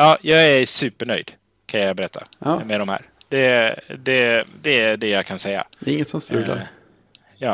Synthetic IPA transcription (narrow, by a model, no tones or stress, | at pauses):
ɑːjɑːɡæsʉ̟ːpəɳœjd̪̥ | kʰanjɑɡbɛɾɛt̪ʰːa̰meːɾɔmhæ̰ːɾ | d̪̥ɛd̪ɛd̪ɛːɖɛjakʰansɛjːa̰d̪ɛɪŋːət̪sɔmst̪lʉːla̰ɾ | jɑː